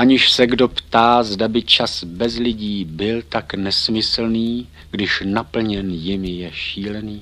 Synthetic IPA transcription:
ʔaɲɪʃsɛɡdo̞pt̪aːzdabɪt͡ʃasbɛzlɪɟiːbɪlt̪aknɛsmɪsl̩niː | ɡdɪʃnapl̩ɲɛnjɪmjɛʃiːlɛniː

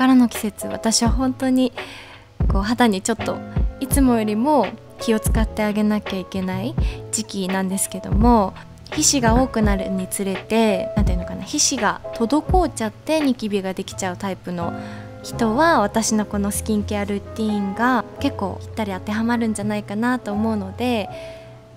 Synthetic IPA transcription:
kaɾano̞kʲi̥se̞t͡sɨβa̰t̪aɕiβaɦõ̞nt̪o̞ɲ̟i | ko̞ːɦat̪aɲ̟it͡ɕo̞t̪ːo̞̰it͡sɨmo̞jo̞ɾʲimo̞ | kʲio̞t͡sɨ̥kat̪ːe̞aɡe̞nakʲaike̞naid͡ʑikʲinãnd̪e̞sɨ̥ke̞d̪o̞̰mo̞ | çiɕiɡao̞ːkɯ̟naɾɯ̟ɲ̟it͡sɨɾe̞t̪e̞nãnt̪eɯ̟nokanaçiɕiɡat̪o̞d̪o̞ko̞ːt͡ɕat̪ːe̞ɲ̟ikʲibʲiɡad̪e̞kʲi̥t͡ɕaɯ̟t̪aipɯ̟no̞ | çi̥t̪o̞βaβ̞at̪aɕino̞ko̞no̞sɨ̥kʲĩŋkeaɾɯ̟t̪ʲiːŋɡake̞kːo̞ːi̥t̪ːaɾʲiat̪ːe̞ɦamaɾɯ̟̃ɲ̟d͡ʑanaikanat̪o̞ːmo̞ɯ̟no̞d̪e̞

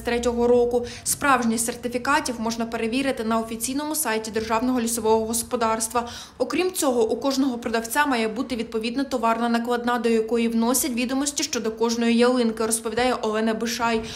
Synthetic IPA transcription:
t̪ɾɛtʲɔɦɔɾɔkʊ | spɾɑwʒnʲisʲsert̪ɪfʲikɑtʲiwmɔʒnɐpeɾeʋʲiɾɪt̪ɪnɐɔfʲit͡sʲijnɔmʊsɑjtʲid̪erʒɑwnɔɦɔlʲisɔʋɔɦɔɦɔspɔd̪ɑrst̪ʋɐ | ɔkɾʲimt͡sʲɔɦɔʔukɔʒnɔɦɔpɾɔd̪ɐwt͡sʲamɑjɛbut̪ɪʋʲid̪̚pɔʋʲid̪nɐt̪ɔʋɑrnɐnɐklˠɐd̪nɑd̪ɔjɐkɔjiwnɔsʲɐtʲʋʲid̪ɔmɔsʲtʲiʃt͡ʃɔd̪ɔkɔʒnɔjijelˠɪnkɪɾɔspɔʋʲid̪ɑjɛʔɔlˠɛnɐbɪʃɑj

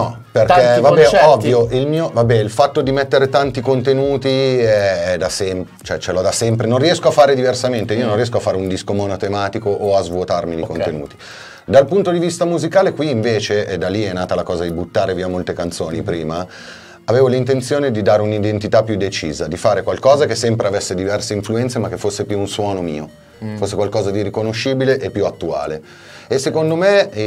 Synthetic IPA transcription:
nɔ | perkɛvabɛɔvːjoilmiːovabɛilfat̪ːod̪imɛt̪ːeɾet̪ant̪ikont̪enuːt̪iɛɛd̪asɛm | t͡ʃoɛt͡ʃelɔd̪asɛmpɾenõnriɛskoafaːɾed̪iversament̪eiːonõnriɛs̬koafaːɾeund̪iskomonot̪emaːt̪ikoʔoazvuot̪armid̪ikonenṵːt̪i̥ | d̪alpunt̪od̪ivist̪amuzikaːlekwiːɱveːt͡ʃeʔɛd̪alːiɛnaːt̪alakɔːzad̪ibut̪ːaːɾeviːamolt̪ekant̪soːnipɾiːma | aveːvolint̪ent̪sjoːned̪id̪aːɾeunid̪ent̪it̪apːjud̪ːet͡ʃiːzad̪ifaːɾekwalkɔːzakesːɛmpɾeavesːed̪ivɛrseiɱfluɛnt̪semakːefːosːepjuːnswɔːnomiːo | fosːekwalkɔːzad̪irikonoʃːiːbileʔepːjuat̪ːua̰ːle | esːekond̪ome

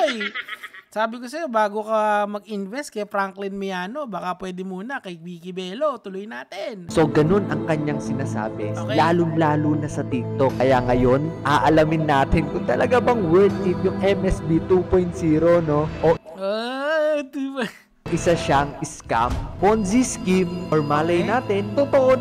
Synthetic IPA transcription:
j | saːbɪkosɐjobaːɡo̞kɐmɐɡ̚ʔɪnvɛst̪̚kɐjfɾaŋklɪnmʊjaːno̞baːkapwɛːd̪ɪmuːnɐkɐwiːkɪbɛːlo̞t̪ʊlʊjnaːt̪ɪnso̞ɡɐno̞nɐŋkɐɲːaŋsɪnaːsa̰ːbɛlaːlʊŋlaːlunɐsɐt̪ik̚t̪okkːɐjaŋɐjo̞nʔaːʔɐlamɪnːaːt̪ɪnkʊŋt̪ɐlʔɐɡabɐŋwɛɹt̪̚t̪ip̪̚jʊŋʔɛmʔɛsbit̪upojnt̪̚siːɾono̞ʔoʔo | d̪iːbɐ | ʔɪsaʃaŋɪska̰mponsiskimʔoɹmalɐjnaːt̪ɛnt̪ot̪oʔo

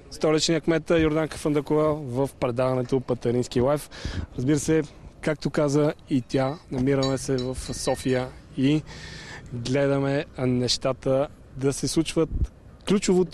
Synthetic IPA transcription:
st̪ɔɾit͡ʃniəkmɛt̪əjoɾd̪aŋkə̥fənd̪əkʊvɛvəfpɾɛd̪avɐnɛt̪opɐt̪ɐɾinskilˠajfɾɐzbiɾəsɛkak̚t̪okazəit̪ʲanɐmiɾəmɛsɛvəfsɔfijəi | ɡlɛd̪əmɛnɛʃt̪at̪ə | d̪ɐsɛslˠut͡ʃvət̪ | klʲut͡ʃovot̪

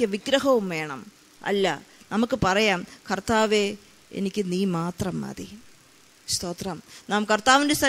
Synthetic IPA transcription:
ɨʋiɡɾɐɦɐʋumʋe̞ːɳɐm | ɐ̰lːɐ̰nɐmukːɨpɐrɐjaːmkɐrt̪aːʋeː | ḛnikʲːɨniːmaːt̪rɐmɐ̰ði | st̪o̞ːt̪rɐmnaːmkɐrt̪aːʋindest̪ʰɐ

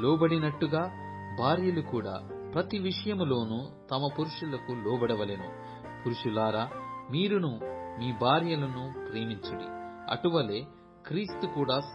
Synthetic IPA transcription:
lɔːbɐɽinɐʈːuɡaː | bʱaːɾjɐlukuːɽa̰ːpɾɐt̪iʋiʂɐjɐmlo̞ːnuː | t̪ɐmɐpuɾuʂulɐkulɔːbɐɽɐʋɐlenu | puɾuʂilaːɾaːmiːɾunumiːbʱaːɾjɐlɐnupɾe̞ːmiɲt͡ʃɐɽḭɐ̰ʈuʋɐle̞ː | kɾiːst̪ukuːɽaː

